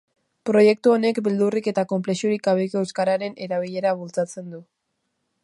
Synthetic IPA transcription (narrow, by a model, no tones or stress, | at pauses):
pɾo̞je̞k̚t̪uo̞ne̞kbeld̪urike̞t̪ako̞mple̞siuɾikaβikoewskaɾaɾe̞ne̞ɾaβ̞iʎe̞ɾaβult͡sat͡se̞nd̪u